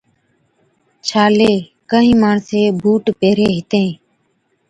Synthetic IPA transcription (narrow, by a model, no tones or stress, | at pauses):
t͡ʃʰaːleː | kəɦĩːmaːɳseːbʱuːʈpeːɾeːɦɪt̪ẽː